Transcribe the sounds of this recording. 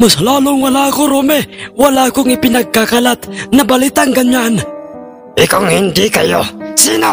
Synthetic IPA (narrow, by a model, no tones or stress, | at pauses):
mʊslalʊŋwalakuɾomɛwalakuŋipinaɡakalat̪̚nabalit̪aŋɡaɲan | ikaŋindika̰jo̰sina